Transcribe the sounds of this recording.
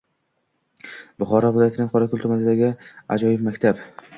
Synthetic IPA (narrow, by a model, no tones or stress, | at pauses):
bʊχɒɾɒvɪlˠɒjat̪ɪnɪŋqʰɒɾakʲʰʊlˠt̪ʰʊmanɪd̪aɡʲɪa̰d͡ʒɒjɪpmakʲt̪ʰap